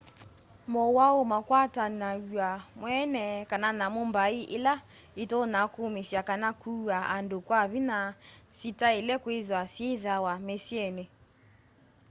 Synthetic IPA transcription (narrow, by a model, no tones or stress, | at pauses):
mowaomakwatanaamwɛnɛkananamombaiʔela | etonakomesjakanakʰuaʔandokwaβinasitaelɛkweðwasjeðawamesiɛne